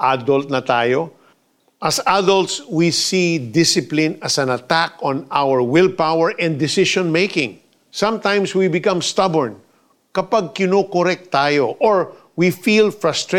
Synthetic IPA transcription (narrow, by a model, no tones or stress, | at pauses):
ʔad̪ɔlt̪̚nɐt̪aːjo | ʔɐsad̪ɔlt̪swisid̪ɪsɪplɪ̃nɐsɐ̃nɐt̪akɔ̃nawəɹwɪlpawɛɹʔɛ̃nd̪d̪ɪsɪʃɔ̃nmejkɪ̃ŋ | sɐ̃mt̪ãj̃mswibɪkɐ̃mst̪ɐbɛɹn | kɐpaɡ̚kɪnokoɾɛk̚t̪ːaːjoʔoɹ | wifilfɹɐst̪ɹe